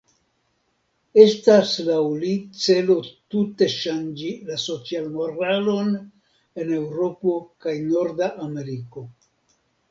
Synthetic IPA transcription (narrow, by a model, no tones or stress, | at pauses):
e̞staslawlit͡se̞lo̞tute̞ʃand͡ʒilaso̞t͡sialmoɾalo̞n | e̞ne̞wɾo̞po̞kajno̞ɾdaʔame̞ɾiko̞